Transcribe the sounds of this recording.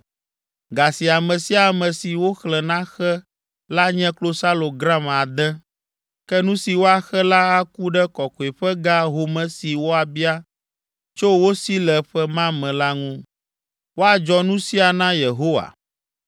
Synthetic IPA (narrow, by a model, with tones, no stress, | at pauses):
ɡa˨si˨a˨mɛ̃˨si˦a˨mɛ̃˨si˨wo˦xlɛ˨nã˦xɛ˦ | la˦ɲɛ̃˦klo˦sa˦lo˨ɡɾa˦m˨a˨d̪ɛ̃˦ | kɛ˦nũ˦si˨wo˦a˨xɛ˦la˦a˦ku˦ɖɛ˦kɔ˨ko˨e˨ɸɛ˦ɡa˦ɦo˨mɛ̃˦si˨wo˦a˨bi˦a˦ | t͡ʃo˦wo˦si˦lɛ˨ɸɛ˦mã˦mɛ̃˨la˦ŋũ˦ | wo˦a˨d͡ʒɔ˦nũ˦si˦a˨nã˦je˨ɦo˦wa̰˨